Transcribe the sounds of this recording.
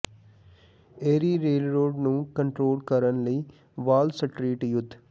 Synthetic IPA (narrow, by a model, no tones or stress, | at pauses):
eːɾiːɾeːlɾoːɖnũːkə̃ɳʈɾoːlkəɾənləi | ʋaːlsəʈɾiːʈjʊd̪ʱː